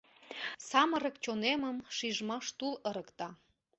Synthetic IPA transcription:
sɑməɾək̚t͡ɕoneməmʃiʒmɑʃt̪uləɾəkt̪ɑ

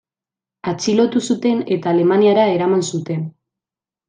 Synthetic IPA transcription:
at͡ʃilo̞t̪usut̪e̞ne̞t̪aːle̞maniaɾae̞ɾamansut̪e̞n

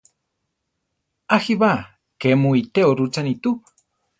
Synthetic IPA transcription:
axiβa | kemuit̪eoɾut͡sanit̪u

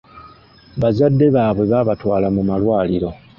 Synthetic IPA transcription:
βazadːe̞βaːβwe̞βaːβatwaːlamumalwaːliɾo̞

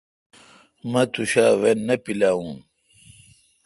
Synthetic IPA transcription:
mɐt̪uɕaːwenːɐpilaːũn

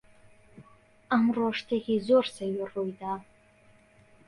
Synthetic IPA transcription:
amroʂtʰeɡʲizorsaɥarojtʼa

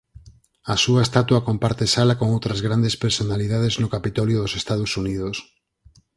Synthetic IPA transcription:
asuaest̪at̪wakompaɾt̪esalakoŋowt̪ɾazɣɾand̪espeɾsonaliðað̞eznʊkapit̪ɔljoðosest̪að̞osuniðos

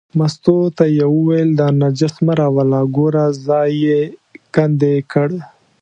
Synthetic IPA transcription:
mast̪ot̪ajewuwajld̪ɑnad͡ʒasmaɾawalaɡoɾazɑjekand̪ekʰəɽe

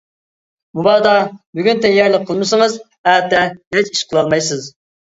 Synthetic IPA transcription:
mubɑːd̪ɑbyɡʲynt̪ʰɛjɑɾlˠəqʰːəlˠmɨsəŋəz | æːt̪ːɛɦɛt͡ʃiʃqʰəlˠɑlˠmɑjsɨz

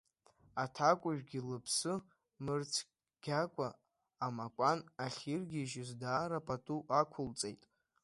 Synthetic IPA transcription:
atʰakʷʼʊʒᶣɡʲilɨpʰsɨ | mɨrt͡sʰ | ɡ̥ʲakʷʼaː | makʷʼanaχʲirɡʲiʒɪzdaːɾapʼatʼuʔakʷʰʊlt͡sʼejtʼ

